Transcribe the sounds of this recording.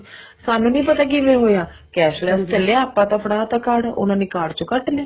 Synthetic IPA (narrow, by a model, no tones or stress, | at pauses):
saːnũːnĩːpət̪aːk̬ɪʋẽːɦoːjaː | kɛːʃlɛst̪əleːaːpːãːt̪ãpʰɽãːt̪ãːkaɽʊ̰nãːniːkaːɽt͡ʃõkəʈleː